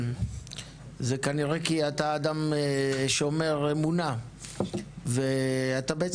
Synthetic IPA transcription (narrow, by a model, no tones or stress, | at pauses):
zekaniʁekiat̪aːd̪ameʃeome̞ʁe̞muna | veat̪abeet͡s